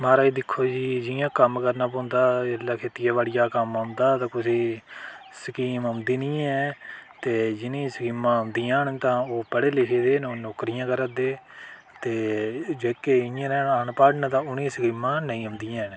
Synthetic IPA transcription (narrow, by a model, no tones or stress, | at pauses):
maːɾaːiːd̪ɪkʰːoːd͡ʒiːd͡ʒɪjãːkəmkəɾnaːp̬õːnd̪aːəlːaːkʰeːt̪ɪjaːʋaːɽɪjaːkəmɦõːnd̪aːt̪ãːkʊsiː | səkiːməmd̪iːnĩːɛːt̪eːd͡ʒɪnĩːsəkiːmãːənd̪iːãːnt̪ãːoːpəɽeːleːʃeːd̪eːnõnoːkɾijãːkəɾəd̪eː | t̪eːd͡ʒoːkeːɪjãːɾɛːnaːnpaːɖnət̪ãːʊnĩːsəkiːmãːnəĩːə̃nd̪iːãːn